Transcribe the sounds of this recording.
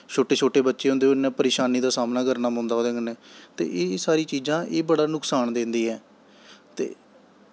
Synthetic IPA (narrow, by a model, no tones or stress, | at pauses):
t͡ʃʰoːʈeːt͡ʃʰoːʈeːbətːʃeːõnd̪eːonɛ̃ːpəɾeːʃaːniːd̪aːsaːmnaːkəɾnaːmõːnd̪aɦoːd̪ẽːŋɡənɛ̃ːt̪ḛːʔeːsaːɾiːt͡ʃiːzãːʔeːbəɽaːnʊksaːnd̪ẽːnd̪iːɦɛː | t̪ḛː